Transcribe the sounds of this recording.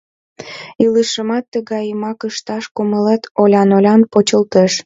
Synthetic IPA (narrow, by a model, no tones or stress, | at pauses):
iləʃəmɑt̪ːəɣɑjəmɑkəʃt̪ɑʃkuməlet̪olʲɑnolʲɑnpot͡ɕəlt̪eʃ